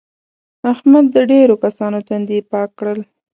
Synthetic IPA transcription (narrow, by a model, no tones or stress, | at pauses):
ahmad̪̚ːəɖeɾokasɑnot̪and̪ipɑkːɽəl